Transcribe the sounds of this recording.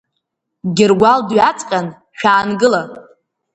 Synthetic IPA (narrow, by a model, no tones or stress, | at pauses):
ɡʲɪrɡʷaldɥat͡sʼqʲʼan | ʃᶣaːnɡɨla